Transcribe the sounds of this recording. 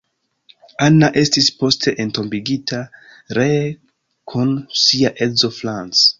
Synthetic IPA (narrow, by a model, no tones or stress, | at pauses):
anaʔestispo̞stʰe̞ʔento̞mbiɡitʰa | ɾe | kʰunsiaʔezo̞flant͡s